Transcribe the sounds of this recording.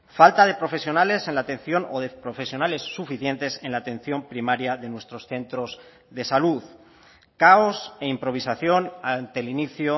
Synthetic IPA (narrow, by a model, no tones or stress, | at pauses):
falt̪aðe̞pɾo̞fe̞sjo̞nale̞sẽ̞nlat̪ẽ̞n̟θjo̞no̞ðepɾo̞fe̞sjo̞nale̞sːufiθje̞nt̪e̞se̞nlaːt̪e̞n̟θjo̞mpɾimaɾjaðe̞nwe̞st̪ɾo̞sθe̞nt̪ɾo̞z | ðe̞saluð | kao̞se̞impɾo̞β̞isaθjo̞nant̪e̞liniθjo